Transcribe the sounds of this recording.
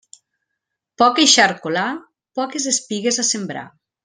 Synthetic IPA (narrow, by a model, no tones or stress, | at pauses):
pɔkeʃaɾkola | pɔkezðespiɣezasembɾa̰